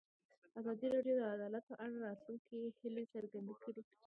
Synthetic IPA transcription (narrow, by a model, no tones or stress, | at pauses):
azɑd̪iɾaɖjod̪əad̪ɑlat̪̚pəʔaɽaɾɑt̪luŋkihɪlesəɾɡand̪akəɾi